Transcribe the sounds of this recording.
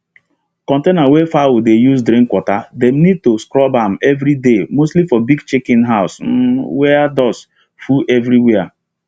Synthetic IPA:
kɔ̃ntenawefawʊdejuzdɾĩŋkwʷɔtadem̩nid̚toskɾɔbam̩ɛvɾidemostlifɔbiɡt͡ʃekɪ̃nɦaʊsn̩weadɔs | fuʔɛvɾiwɛa

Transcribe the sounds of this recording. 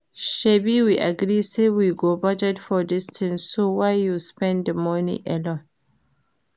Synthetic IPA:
ʃebiwiʔaɡɾisewiɡobad͡ʒɛtfɔdistʰɛ̃nsːowaɪjuspɛ̃nddəmɔnḭ̃ʔɛlɔ̃n

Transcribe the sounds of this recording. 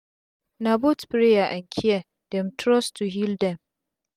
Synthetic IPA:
nabotpɾejaʔaŋkʲʰɪja | d̥ɛmtʰɾɔstuɦildɛm

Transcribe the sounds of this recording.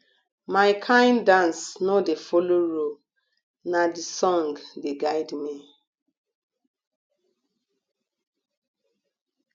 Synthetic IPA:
maɪkʰãɪ̃ndãnsnɔdefɔloɹo | nadisɔ̃ŋɡdeɡaɪdmi

